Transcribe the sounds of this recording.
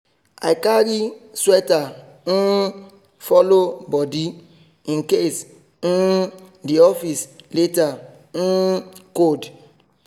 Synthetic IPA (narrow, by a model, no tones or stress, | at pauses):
ajkaɾiswɛta | n̩ | fɔlobɔdi | ĩŋ̩kes | n̩diɔfisleta | n̩kod